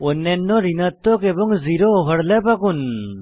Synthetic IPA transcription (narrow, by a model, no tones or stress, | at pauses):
ɔnɛnːɔɾinat̪ːɔkebɔŋziɾoːɦəɽlapakun